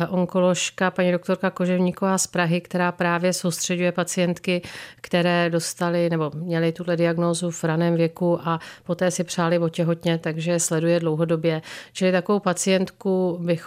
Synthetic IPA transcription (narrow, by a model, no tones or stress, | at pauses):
ʔo̞ŋko̞lo̞ʃkapaɲido̞kt̪o̞ɾkako̞ʒɛvɲiːko̞vaːspɾaɦɪkt̪ɛɾaːpɾaːvjɛso̞wst̪r̥ɛɟujɛpat͡sɪjɛnt̪kɪkt̪ɛɾɛːdo̞st̪alɪnɛbo̞mɲɛlɪt̪udlɛdɪaɡno̞ːzuvɾanɛːmvjɛkuʔapo̞t̪ɛːsɪpr̝̥aːlɪvo̞cɛɦo̞t̪ɲɛt̪aɡʒɛslɛdujɛdlo̞wɦo̞do̞bjɛt͡ʃɪlɪt̪akovowpat͡sɪjɛnt̪kubɪx